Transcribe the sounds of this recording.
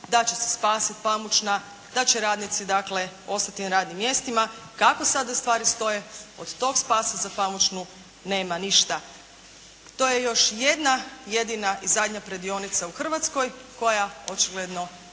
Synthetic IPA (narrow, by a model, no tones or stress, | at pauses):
d̪at͡ɕese̥spaːsit̪pamut͡ʃna | d̪̥at͡ɕeɾaːd̪nit̪sid̪akle̞o̞st̪at̪inaɾaːd̪nimːje̞st̪imakako̞sad̪ast̪ʋaːɾist̪o̞je̞od̪t̪o̞ɡspaːsazapamut͡ʃnu | ne̞ːmaniʃt̪a | t̪o̞jejo̞ʃje̞d̪najed̪inaʔizad̪ʲɲapɾed̪io̞nit̪sauxr̩ʋat̪sko̞jko̞jaot͡ʃiɡled̪no̞